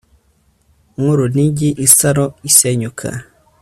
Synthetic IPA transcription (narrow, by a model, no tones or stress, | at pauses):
ŋuɾuniɲɟiʔisaɾoiseɲukʰa̰